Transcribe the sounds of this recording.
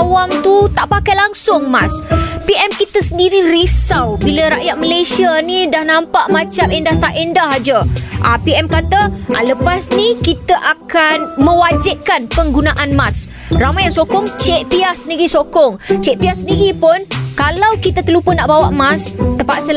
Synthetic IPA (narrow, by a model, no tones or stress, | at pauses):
wamt̪ut̪aʔpakajlaŋsʊŋmaspiʔɛmkit̪əsəndiɾiɾisawbiləɾaʔjat̪̚məlesianidahnãmpaʔmãt͡ʃamendaht̪aʔendaɦad͡ʒaʔa̰piɛmkat̪aʔa̰ləpasnĩkit̪aʔakanmə̃wad͡ʒɪʔ̚kanpəŋɡunaʔanmas | ramajaŋsokɔŋt͡ʃeʔpiahsəniɡisokɔŋt͡ʃɛʔpiasəndiɡipʊnkalawkit̪at̪əlupʊnːaʔbawaʔmast̪əpaʔsəl